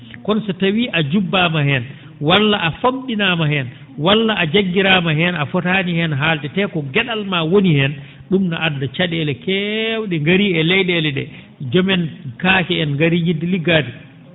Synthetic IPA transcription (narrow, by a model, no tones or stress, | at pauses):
kɔnsɔtawiʔad͡ʒubːamahɛn | walːaʔafomɗinamahɛn | walːaːd͡ʒaɡːiɾamahɛnafɔtanihɛnɦaltɛtɛkɔɡɛɗalmawonihɛn | ɗumna̰ʔadːat͡ʃaɗɛlɛkɛwɗɛŋɡaɾiɛlɛjɗɛlɛɗɛ̰ | d͡ʒɔmɛnkaːkɛɛnŋɡaɾijidːiliɡadi